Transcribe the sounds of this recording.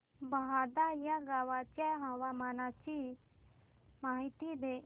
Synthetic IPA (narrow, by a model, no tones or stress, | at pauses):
baɦad̪ajaɡawat͡ʃɛɦawamanat͡ʃi | maːɦit̪id̪e